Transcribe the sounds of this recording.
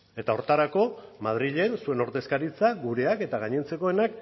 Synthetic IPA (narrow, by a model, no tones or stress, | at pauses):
e̞t̪ao̞ɾt̪aɾako̞mað̞ɾiʎe̞nsue̞no̞ɾt̪e̞skaɾit͡saɡuɾe̞ake̞t̪aɣaɲe̞nt͡se̞ko̞e̞nak